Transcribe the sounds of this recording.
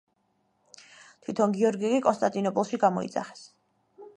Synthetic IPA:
t̪ʰwit̪ʰɔnɡiɔɾɡikʼikʼɔnst̪ʼant̪ʼinɔpʼɔlˠʃiɡamɔ̰ḭd̪za̰χɛ̥s

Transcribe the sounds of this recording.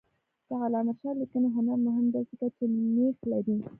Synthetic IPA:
d̪̥əalɑmaʃɑlikənoɦʊnaɾmʊɦɪmd̪ɑzɪkat͡ʃemexlaɾi

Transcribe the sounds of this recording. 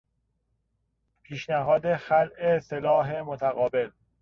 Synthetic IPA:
pʰiːʃnæɦɒːd̪e̞xælʔeselɒːɦemot̪ʰæɣɒːbe̞l

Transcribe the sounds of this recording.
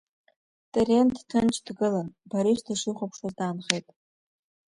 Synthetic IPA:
tʼerentʰtʰɨnt͡ʃʰʼdɡɨlanbaɾiʃtʰaʂiχʷapʰʂaztaːnχejtʼ

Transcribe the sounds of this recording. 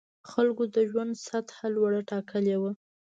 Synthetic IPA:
xalɡod̪əʒwand̪sat̪halwaɽaʈɑkəlewə

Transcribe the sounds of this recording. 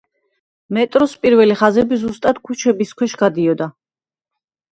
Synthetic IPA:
mɛt̪ʼɾɔspʼiɾvɛliχazɛbizust̪ʼad̪̥kʰut͡ʃʰɛbiskʰwɛʃɡ̥ad̪iɔd̪a

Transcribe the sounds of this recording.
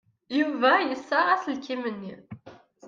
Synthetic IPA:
juvæjəsːaʁæslkimənːi

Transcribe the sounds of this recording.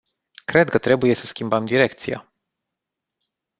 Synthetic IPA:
kɾe̞d̪̚kət̪ɾe̞buje̞səskʲimbəmd̪iɾe̞k̚t̪sija̰

